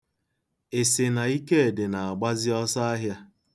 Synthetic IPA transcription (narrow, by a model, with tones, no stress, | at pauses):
e˨se˨na˨i˦ke˦e˨dɪ˨na˨a˨ɡ͡ba˦zɪ˦ɔ˦sa˦a˦ɦja˦